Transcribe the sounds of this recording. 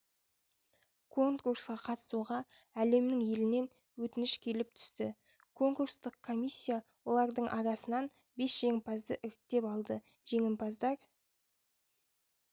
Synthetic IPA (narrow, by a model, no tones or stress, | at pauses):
kʰo̞ŋkursqɑqʰɑt̪ə̥suʁɑ | æle̞mnɪŋje̞lɪne̞n | wɵt̪ɪnɪʃkʲʰe̞lɪp̚t̪ʰʏ̥st̪ɪ | kʰo̞ŋkuɾst̪əq̚kʰːo̞mʲisʲːijawo̞lˠɑɾd̪əɴʔɑɾɑsənɑn | be̞sʒ̥e̞ŋɪnpɑzd̪əʔʏɾɪk̚t̪e̞pɑlˠd̪ə | ʒe̞ŋɪmpɑzd̪ɑɾ